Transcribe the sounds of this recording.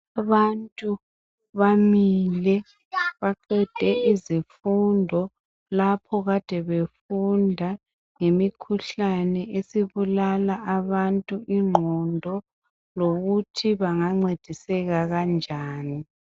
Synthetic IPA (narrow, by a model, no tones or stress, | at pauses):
aβantʼu | βamilɛ | βaǃɛd̥ʱɛizifundʱɔ | lapʰɔɣad̥ʱɛβefundʱa | ŋemikʰuɬanɛʔesiβulalaʔaβantʼuʔiŋ͡ǃʱɔndʱɔ | loɣutʰiβaŋaŋ͡ǀed̥ʱisɛɣaɣand͡ʒʱaːni